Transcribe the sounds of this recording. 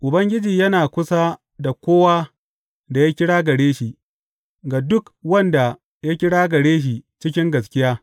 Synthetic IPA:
ʔʊ˨bɐ˦ŋɡʲɪ˦d͡ʒiː˨jɐ˦naː˨kʷʊ˦sa˦ | da˨kʷoː˦waː˦ | da˨ja˦kʲɪ˦ɽaː˦ɡɐ˨ɽeː˦ʃi˨ʔ | ɡa˨dʊ˦kwɐ˦nda˨ | ja˦kʲɪ˦ɽaː˦ɡɐ˨ɽeː˦ʃ̬i˨t͡ʃɪ˦kʲɪ˦ŋɡɐ˨skʲɪ˦jaː˦

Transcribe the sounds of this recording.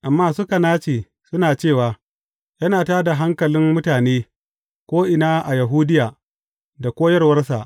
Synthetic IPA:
ʔa˨mːaː˦sʊ˦ka˨naː˦t͡ʃeː˨ | sʊ˦naː˨t͡ʃeː˦˨waː˨ | jɐ˦naː˨taː˦da˨ɦa˦ŋkɐ˨lɪ˦mmʊ˦taː˨neː˦ | kʷoː˦ʔɪ˨naː˦ʔa˨ja˨ɦuː˦dɪ˦jaː˨ | da˨kʷoː˦jɐ˦rwɐ˦rs̬a˨ʔ

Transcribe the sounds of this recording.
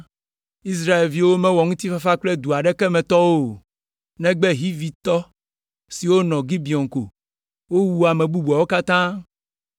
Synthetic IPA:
i˦s̬ɾa˦e˨lvi˦wo˦mɛ̃˦wɔ˨ŋũ˦t̪i˦fa˦fa˦k͡plɛ˦d̪u˨a˨ɖɛ˦kɛ˦mɛ̃˨t̪ɔ˦wo˦ | nɛ̃˦ɡ͡bɛ˦ɦi˦vi˨t̪ɔ˦ | si˨wo˦nɔ̃˨ɡi˦bi˨ɔ˨ŋko̰˨ | wo˦wu˦a˨mɛ̃˨bu˦bu˨ɔ˨wo˦ka˦t̪ã˦

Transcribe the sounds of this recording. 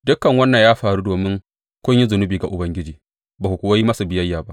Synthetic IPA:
dʊ˦kːɐ˨ŋwɐ˦nːɐ˨jaː˦ɸaː˨ɾuː˦doː˨mɪ˦ŋ | kʷʊ˦ɲji˦zʊ˨nʊ˦biː˨ɡa˨ʔʊ˨bɐ˦ŋɡʲɪ˦d͡ʒiː˨ | baː˨ku˨kʷʊ˨wa˦ji˦mɐ˦su˨bɪ˨jɐ˦jːaː˨ba˦ʔ

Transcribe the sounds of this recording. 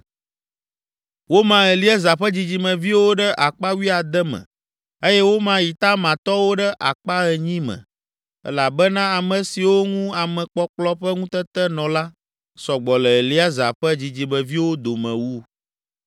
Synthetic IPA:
wo˦mã˦ɛ˨li˦a˦za˨ɸə˦d͡ʑi˨d͡ʑi˨mə̃˨vi˦wo˦ɖə˦ʔa˨k͡pa˦wi˦a˨d̪ɛ˦mɛ̰̃˨ | e˦jɛ˦wo˦mã˦ji˨t̪a˦mã˨t̪ɔ˦wo˦ɖə˦ʔa̰˨k͡pa˦ɣɛ˨ɲĩ˦mɛ̰̃˨ | ɛ̰˦la˨bɛ˦nã˦a˨mɛ̃˨si˨wo˦ŋũ˦a˨mɛ̃˨k͡pɔ˦k͡plɔ˦ɸɛ˦ŋũ˦t̪ɛ˦t̪ɛ˦nɔ̃˨la˦ | sɔ˨ɡ͡bɔ˨lɛ˨ɛ˨li˦a˦za̰˨ɸɛ˦d͡ʑi˨d͡ʑi˨mɛ̃˨vi˦wo˦d̪o˨mɛ̃˨wu˦

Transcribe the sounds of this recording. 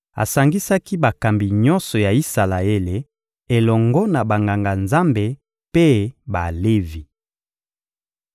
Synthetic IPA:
a̰˨sa˨ŋɡi˦sa˦ki˦ba˨ka˨mbi˨ɲɔ˦nsɔ˨ja˨i˦sa˨la˨e˦le˨ | e˨lɔ˨ŋɡɔ˦na˨ba˨ŋɡa˨ŋɡa˨nza˦mbe˨ | pe˦ba˨le˦vi˨

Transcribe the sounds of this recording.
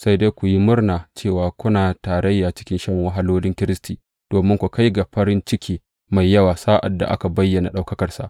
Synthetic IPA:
sa˦jda˦jkʷu˨ji˦mʊ˦rnaː˨t͡ʃeː˦˨waː˨kʷʊ˦naː˨taː˨ɾɐ˦jːaː˨t͡ʃɪ̥˦kʲɪ˦nʃɐ˦ŋwɐ˦ɦa˦loː˦lɪ˦ŋkʲɪ˦ɾɪ˦stiː˨ | d̥oː˨mɪ˦ŋkʷu˨ka˦jɡa˨ɸɐ˦ɾɪ˦nt͡ʃɪ˦kʲʰiː˦ | ma˨jːɐ˦waː˨saː˦ʔa̰˨dːa̰˨ʔa̰˦ka˨bɐ˦jːɐ˨na˨ɗa˦wkɐ˦kɐ˨rsa̰˨ʔ

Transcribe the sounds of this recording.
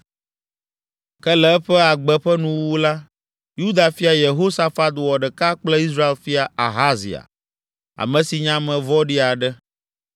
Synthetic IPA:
kɛ˦lɛ˨ɛ˦ɸɛ˦a˨ɡ͡bɛ˦ɸɛ˦nũ˦wu˦la˦ | ju˦d̪a˨fi˦a˨je˨ɦo˦sa˦fa˦t̪wɔ˨ɖɛ˨ka˦k͡plɛ˦i˦s̬ɾa˦e˦lfi˦a˨a̰˨ɦa˦zḭ˨a̰˨ | a̰˨mɛ̃˨si˨ɲã˦mɛ̃˨vɔ˦ɖi˦a˨ɖɛ˦

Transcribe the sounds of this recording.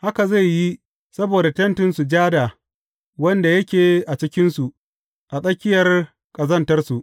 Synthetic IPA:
ha˦ka˨za˦˨jːi˦ | sɐ˦boː˨da˨tɐ˦ntɪ˦nsu˨d͡ʒaː˦da˨ | wɐ˦nda˨jɐ˦kʲeː˨ʔa˨t͡ʃɪ˦kʲɪ˦nsu˨ʔ | ʔa˨sʼɐ˦kʲːɪ˦jɐ˨r | kʼɐ˨zɐ˦ntɐ˦rsu˨ʔ

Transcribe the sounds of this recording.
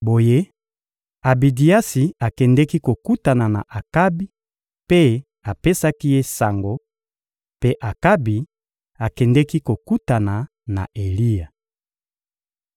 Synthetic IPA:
bo˨je˦ | a˨bi˨di˨a˦si˨a˨kɛ˨ndɛ˦ki˦ko˨ku˦ta˨na˨na̰˨ʔa˨ka˦bi˦ | pe˦ | a˨pe˦sa˦ki˦je˦sa˨ŋɡo˨ | pe˦ʔa˨ka˦bi˨ | a˨kɛ˨ndɛ˦ki˦ko˨ku˦ta˨na˨ | na̰˨ʔe˨li˦ja˨

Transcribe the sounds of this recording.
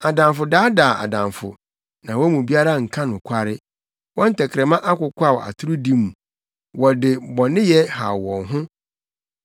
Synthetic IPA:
a˨dã˨mfʊ˨daː˦daː˨a̰˨dã˨mfʊ̰˨ | nã˨wɔ˦mũ˨bi˦a˦ɾa˦˨ŋ̩˨kʰã˦nʊ̃˨kʷʰa˦ɾɪ˦ | wɔ̃˦n̩˦tʰɛ˨kʰɾɛ˨mã˦ʔa˦kʊ˨kʰʷʊ˦a˦˨wɔ̰˨ʔa̰˨tʰʊ˦ɾʊ˦dĩ˦m˨ | wɔ˨dɪ˨bɔ˨nɪ̃˦jɛ˦ha̰˨wɔ̃˨ŋɦʊ̃˦

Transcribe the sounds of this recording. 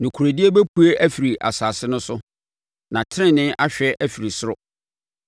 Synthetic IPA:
nʊ̃˨kʰu˨ɾæ˨di˦e˦bæ˦pʰu˦e˦ʔæ˦fi˨ɾi˨ʔa̰˨saː˨sɪ˦nʊ̃˦sʊ˦ | nã˨tʰɪ˦ɾɪ̃˦˨nɪ̃˦ʔa˦ɕᶣɛ˦ʔæ˦fi˨ɾi˨sʊ˦ɾʊ˨

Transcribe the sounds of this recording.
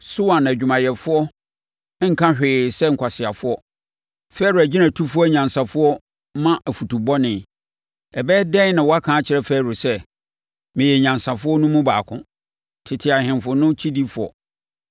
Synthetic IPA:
sʊ˦wã˨n˨æ˨d͡ʑᶣu˨mã˨jɛ˨fʊ˦ɔ˦ | ŋ̩˦kʰã˦ɕᶣɪː˨sɛ˦ŋ̩˨kʰʷa˨sɪ˨a˨fʊ˦ɔ˦ | fɛ˦ɾʊ˨æ˨d͡ʑɪ˦nã˨tʰu˦fʊ˦ɔ˦ɲã˨nsã˨fʊ˦ɔ˦ | mã˦ʔæ˨fu˨tʰu˨bɔ˦nɪ̃˨ | ɛ˨bɛː˦dɛ̃˦n˦nã˨wɔ˦a˦kʰãː˨˦t͡ɕʰɪ˨ɾɛ˦fɛ˦˨ɾʊ˨sɛ˦ | mɪ̃˨jɛ˨ɲã˨nsã˨fʊ˦ɔ˦nũ˦mũ˦baː˨kʰʊ̰̃˦ | tʰɪ˨tʰɪ˨a˨ɦɪ̃˨nfʊ˨nʊ̃˦t͡ɕʰi˦di˦fʊ˨ɔ̰˨

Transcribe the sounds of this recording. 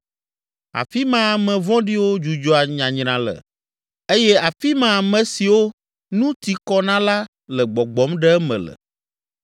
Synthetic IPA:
a̰˨fi˦mã˦a˨mɛ̃˨vɔ̃˦ɖi˦wo˦d͡ʒu˨d͡ʒɔ˨˦a˨ɲã˨ɲɾ̃ã˨lə̰˨ | e˦jɛ˦a˨fi˦mã˨a˨mɛ̃˨si˨wo˦ | nũ˦t̪i˨kɔ˦nã˦la˦ | lɛ˨ɡ͡bɔ˨ɡ͡bɔ˨˦mɖɛ˦ɛ˦mɛ̰̃˨lə̰˨

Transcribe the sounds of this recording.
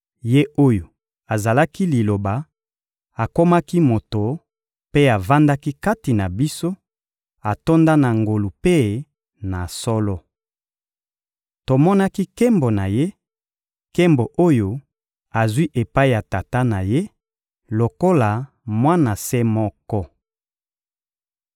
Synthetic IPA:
je˦o˦jo˨ | a˨za˨la˦ki˦li˨lo˨ba˨ | a˨ko˦ma˦ki˦mo˨to˨ | pe˦a˨va˦nda˦ki˦ka˦ti˨na˨bi˦so˦ | a˨to˦nda˦na˨ŋɡo˨lu˨pe˦ | na˨sɔ˦lɔ˦ | to˨mɔ˦na˦ki˦ke˦mbo˨na˨je˦ | ke˦mbo˨ʔo˦jo˨ | a˨zwi˦ʔe˨pa˦i˦˨ja˨ta˨ta˦na˨je˦ | lo˨ko˦la˨ | mwa˦na˨se˦mɔ˦kɔ˦

